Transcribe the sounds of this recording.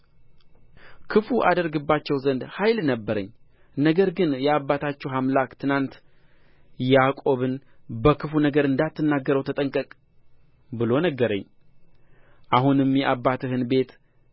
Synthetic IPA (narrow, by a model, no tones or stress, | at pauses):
kʰɨfuʔa̰d̪əɾɡɨbːat͡ʃːɛwzənd̪hajlnəbːəɾəɲː | nəɡəɾɡɨnjɛabːat̪ʰat͡ʃːɛwɦamlakt̪ʰɨnant̪ | jakʼo̞βɨnbəkʰɨfunəɡəɾɨnd̪at̪ːɨnːaɡːəɾəwt̪ʰət̪ʼəŋkʼəkʼ | bɨlo̞nəɡəɾəɲː | ʔaɦunɨmjɛʔabːat̪ʰɨhɨnbe̞t̪